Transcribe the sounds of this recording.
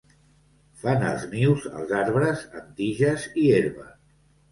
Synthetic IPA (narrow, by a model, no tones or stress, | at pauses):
fanə̰lˠzniwzə̰lˠzaɾβɾəzə̰nt̪iʒəzieɾβə